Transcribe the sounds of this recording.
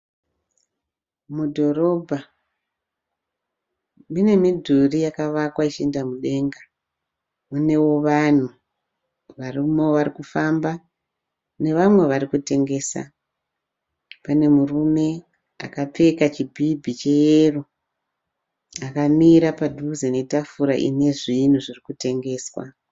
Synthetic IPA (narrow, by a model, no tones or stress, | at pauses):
mudʱo̞ɾo̞bʱa | mine̞midʱurijakaʋakwait͡ʃindamuɗe̞ŋɡa | une̞wo̞ʋan̤u | ʋarimoʋaɾikufamba | ne̞ʋamwe̞ʋaɾikute̞ŋɡe̞ːsa̰ | pane̞murume̞ | a̰kap͡fe̞kat͡ʃibʱibʱit͡ʃe̞jeru | akamiɾapadʱuzene̞tafuɾaʔḭne̞ʐin̤uʐirikute̞ŋɡe̞ːswa̰